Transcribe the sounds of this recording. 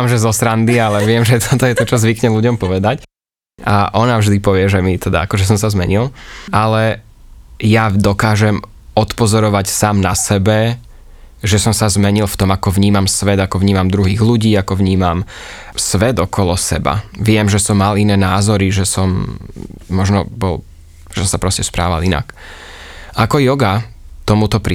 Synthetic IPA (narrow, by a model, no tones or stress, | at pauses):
amʒɛzɔsɾand̪ialɛʋɪɛmʒɛt̪ɔt̪ɔjɛt̪ɔt͡ʃɔzʋikɲɛluɟɔmpɔʋɛd̪ac | aʔɔnavʒd̪ipɔʋɪɛʒɛmit̪ɛd̪a̰akɔʒɛs̬ɔmsazmɛ̰ɲilˠalɛ | jad̪ɔkaːʒɛm | ɔt̪pɔzɔɾɔʋacsaːmnasɛbɛ | ʒɛsɔmsazmɛɲilˠft̪ɔmakɔʋɲiːmamsʋɛd̪akɔʋɲiːmamd̪ɾuɦiːɣluɟiːakɔʋɲiːmamsʋɛd̪ɔkɔlɔsɛ̰ba̰ʋɪɛmʒɛsɔmːalinɛːnaːzɔɾiʒɛsɔmː | ɔʒnɔbɔlˠ | ʒɛsɔmsapɾɔscɛspɾa̰ːʋa̰lina̰k | akɔjɔɡat̪ɔmut̪ɔpɾi